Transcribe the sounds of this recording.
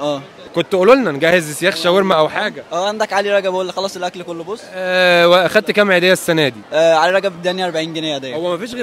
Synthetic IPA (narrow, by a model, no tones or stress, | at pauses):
ʔæː | kont̪ʔololnænɡæhezsjæxʃæweɾmæʔæwħaːɡæʔæːʔand̪ækʕaliɾˤɑɡæbʔolːxɑlɑsˤelʔæklkolːobosˤːæweʔæxæd̪̚t̪kæmʕed̪æjːæsːænæːd̪iʔæʕaliɾˤɑɡæbd̪ænjʔɑɾˤbaʕiːnɡenæjæd̪æjhowːæmæfiːʃ̬ɣ